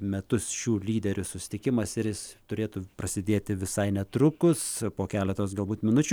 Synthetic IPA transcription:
mʲɛt̪ʊsʃʲuːlʲiːd̪ʲɛɾʲʊsʊsʲɪ̥t̪ʲɪkʲɪmɐsɪɾjɪst̪ʊɾʲeːt̪uːprɐsʲɪd̪ʲeːt̪ʲɪʋʲɪsɐɪnʲɛt̪ɾʊkʊspoːkʲæːlʲɛt̪oːsɡɐlˠbuːt̪mʲɪnʊt͡ʃʲʊ

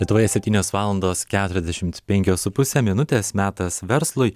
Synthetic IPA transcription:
lʲiɛt̪ʊʋoːjɛsʲɛpt̪ʲiːnʲoːsʋɑːlˠɐnd̪oːskʲæːt̪ʊɾʲɛzd̪ʲɛʃʲɪmt̪pʲɛŋʲkʲoːsʊpʊsʲɛmʲɪnʊt̪ʲeːsmʲæːt̪ɐsʋʲɛɾslˠʊɪ

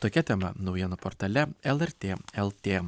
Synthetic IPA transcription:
t̪oːkʲɛt̪ʲɛmɐ̰nɒʊjiɛnopoːɾt̪ɐːlʲɛɛlˠɛɾʲt̪ʲeːɛlˠt̪ʲeː

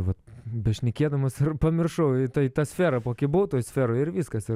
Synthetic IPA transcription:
ʋɐt̪bʲɛʃʲnʲɛkʲiɛd̪ɐmoːsɪrpɐmʲɪrʃɐʊɪt̪ɐɪt̪ɑsʲfʲeːɾɐpoːkʲɪboːt̪oːjsʲfʲeːɾoːɪɾʋʲiːskɐsɪ

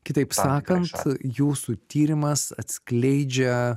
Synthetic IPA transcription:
kʲɪt̪ɐɪpsɑːkɐnt̪juːsut̪ʲiːɾʲɪmɐsɐt̪ʲsklʲɛɪd͡ʒʲɛ

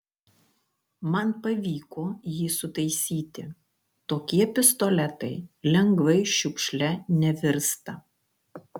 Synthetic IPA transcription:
mɐnpɐʋʲiːkoːjiːsʊt̪ɐɪsʲiːt̪ʲɪ | t̪oːkʲiɛpʲɪst̪ɔlʲɛt̪ɐɪlʲɛŋɡʋɐɪʃʲʊkʃʲlʲɛnʲɛʋʲɪɾst̪ɐ

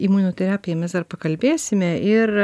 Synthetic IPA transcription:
iːmuːnoːt̪ʲɛɾɑːpʲɪjɛmʲɛsd̪ɐɾpɐkɐlʲbʲeːsʲɪmʲɛʔɪr

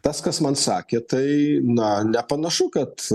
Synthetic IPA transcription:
t̪ɐskɐsmɐnsɑːkʲeːt̪ɐɪnɐnʲɛpɐnɐʃʊkɐt̪

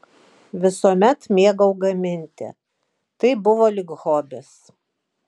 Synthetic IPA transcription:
ʋʲɪsoɔmʲɛt̪mʲeɛɡɐʊɡɐmʲɪnʲt̪ʲɪ̰ | t̪ɐɪbʊʋoːlʲɪɡɣoːbʲes

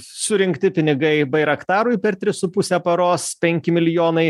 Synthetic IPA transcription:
sʊɾʲɪŋʲkt̪ʲɪpʲɪnʲɪɡɐɪbɐɪɾɐkt̪ɑːɾʊɪpʲɛɾt̪ʲɾʲɪsʊpʊsʲɛpɐɾoːspʲɛŋʲkʲɪmʲɪlʲɪjoːnɐɪ

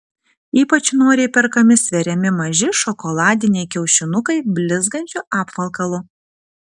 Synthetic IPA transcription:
iːpɐt͡ʃʲnuɔɾʲɛɪpʲɛɾkɐmʲɪsʲʋʲɛɾʲɛmʲɪmɐʒʲɪʃɔkɔlˠɑːd̪ʲɪnʲɛɪkʲɛʊʃʲɪnʊkɐɪbʲlʲɪzɡɐnʲt͡ʃʲʊʔɑːpʋɐlˠkɐlˠʊ

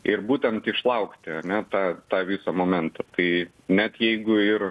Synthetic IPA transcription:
ɪɾbuːt̪ʲɛnt̪ɪʃlˠɐʊkt̪ʲɪɐnʲɛt̪ɑːt̪ɑːʋʲiːsɐmoːmʲɛnt̪ɐt̪ɐɪ | nʲɛt̪jɛɪɡʊɪr

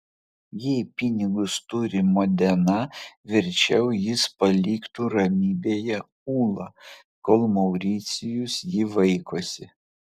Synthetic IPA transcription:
jipʲɪnʲɪɡʊst̪ʊɾʲɪmoːd̪ʲɛnɐʋʲɪɾʲt͡ʃʲɛʊjɪspɐlʲiːkt̪uːɾɐmʲiːbʲeːjɛ | uːlˠɐ | koːlˠmɒʊɾʲiːt̪sʲɪjʊsjiːʋɐɪkoːsʲɪ

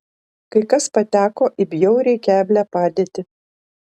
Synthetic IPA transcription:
kɐɪkɐspɐt̪ʲæːkoːʔɪbʲjɛʊɾʲɛɪkʲæːbʲlʲæpɑːd̪ʲeːt̪ʲɪ

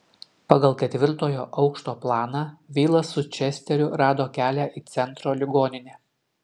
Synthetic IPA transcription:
pɐɡɐlˠkʲɛt̪ʲʋʲɪɾt̪oːjoːʔɒʊkʃt̪oːplˠɑːnɑʋʲiːlˠɐsʊt͡ʃʲɛsʲt̪ʲɛɾʲʊɾɑːd̪oːkʲæːlʲæʔiːt̪sʲɛnt̪ɾoːlʲɪɡoːnʲɪnʲeː

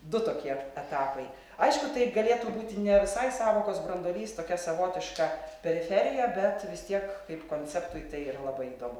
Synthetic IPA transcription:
d̪ʊt̪oːkʲiɛɛt̪ɑːpɐɪ | ɐɪʃkʊt̪ɐɪɡɐlʲeːt̪uːbuːt̪ʲɪnʲɛʋʲɪsɐɪsɑːʋoːkoːsbɾɐnd̪oːlʲiːst̪oːkʲɛsɐʋoːt̪ʲɪʃkɑpʲɛɾʲɪfʲɛɾʲɪjɛbʲɛt̪ʋʲɪst̪ʲiɛkkɐɪpkoːnʲt͡sʲɛpt̪uːjt̪ɐɪiɾɐlˠɐbɐɪiːd̪oːmʊ

